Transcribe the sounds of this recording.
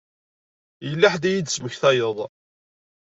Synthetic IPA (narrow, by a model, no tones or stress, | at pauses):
jəlːaħd̪æjid̪sməçθæjəðˤ